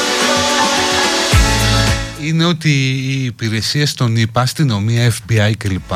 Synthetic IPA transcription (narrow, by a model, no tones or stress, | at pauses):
ine̞o̞t̪iːpiɾe̞siɐst̪o̞nipɐst̪ino̞miɐefbiɐjce̞lipɐ